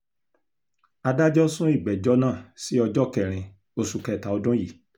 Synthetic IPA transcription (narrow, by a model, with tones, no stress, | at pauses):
a˧da˦d͡ʒɔ˦sũ˦i˦˨ɡ͡bɛ˨d͡ʒɔ˦nã˦˨si˨˦ɔ˧d͡ʒɔ˦kɛ˨ɾ̃ĩ˧ | o˧su˨kɛ˧˨ta˨ɔ˧dũ˦ji˨